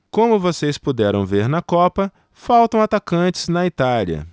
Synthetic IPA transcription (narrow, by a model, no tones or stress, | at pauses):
kõmʊvosespud̪ɛɾɐ̃w̃veɾnɐkɔpɐ | fawt̪ɐ̃w̃at̪akɐ̃t͡ʃɪ̥znɐit̪aliɐ̰